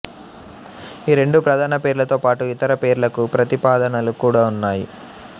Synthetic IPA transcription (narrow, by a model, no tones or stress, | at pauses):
iːɾeɳɖupɾɐd̪ʱaːnɐpe̞ːɾulɐt̪o̞ːpaːʈuit̪ɐɾɐpe̞ːɾulɐkupɾɐt̪ipaːd̪ɐnɐlukuːɽaːunːaːjḭ